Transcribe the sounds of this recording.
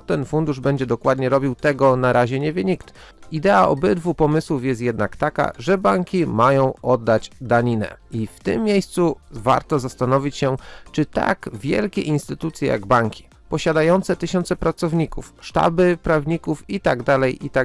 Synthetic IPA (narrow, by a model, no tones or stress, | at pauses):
t̪ɛnfund̪uʐbɛɲd͡ʑɛd̪ɔkwad̪ɲɛɾɔbʲiwt̪ɛɡɔnaɾaʑɛɲɛvʲjɛɲikt̪ | id̪ɛaʔɔbɘd̪vupɔmɘswufjɛst̪jɛd̪nakt̪aka̰ʐɛbaŋkʲimajɔ̃w̃ʔɔd̪ːad͡ʑd̪aɲinɛ̰ift̪ɘ̰mːjejst̪suva̰ɾt̪ɔzast̪anɔvʲit͡ɕɕɛt͡ʂɘt̪a̰ɡvʲjɛ̰lkʲɛʔinst̪ɘt̪ut̪sʲjɛja̰ɡbaŋkʲi̥ | pɔɕad̪ajɔnt̪sɛt̪ɘɕɔnt̪sɛpɾat̪sɔvɲikṵfʂt̪a̰bɘpɾavɲikufit̪aɡd̪alɛjʔit̪a